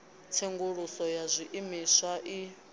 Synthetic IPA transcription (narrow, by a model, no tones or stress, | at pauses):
t͡sʰeŋɡuɺusɔjazʷiʔimisʷaʔi